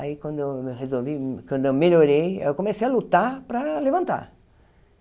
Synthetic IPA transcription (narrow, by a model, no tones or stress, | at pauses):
aikwɐ̃nd̪oeʁezolvikwɐ̃nd̪ʊewmeʎoɾejḛwkõmesejalut̪aɾpɾɐlevɐ̃nt̪a̰ɾ